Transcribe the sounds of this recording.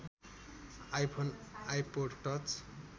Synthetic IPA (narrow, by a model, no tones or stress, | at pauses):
ajpʰonajpoɖʈʌt͡s